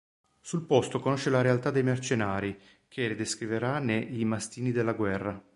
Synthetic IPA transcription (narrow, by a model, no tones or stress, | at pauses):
sulpɔst̪okonoʃːelaɾealt̪ad̪ːejmert͡ʃenaːɾi | k̟ʰeled̪eskɾiveɾanːeʔimast̪iːnid̪elːaɡwɛrːa